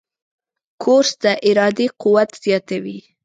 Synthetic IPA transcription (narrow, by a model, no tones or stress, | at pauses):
kʰoɾsd̪əʔɪɾɑd̪equwat̪z̥jɑt̪awi